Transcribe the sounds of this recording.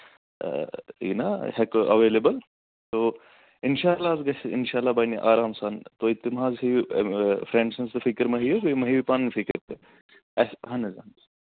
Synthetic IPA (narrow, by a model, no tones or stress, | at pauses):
ḭːnahɛkʔɐʋeːlebɐl | t̪oː | ɪnʃaːlːazɡɐsɪ̰nʃaːlːaːbɐniʔaːɾaːmsaːnt̪oːit̪imɦaːzi | fɾẽːɳɖsɐnsd̪ɐfʰikəɾmɐɦijokomɐɦiʋipanfʰikəɾt̪e | ɐsɦɐnɐza̰n